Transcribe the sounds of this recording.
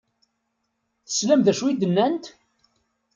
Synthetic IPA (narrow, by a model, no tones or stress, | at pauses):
θə̥slæmðæʃwid̪ənːænt̪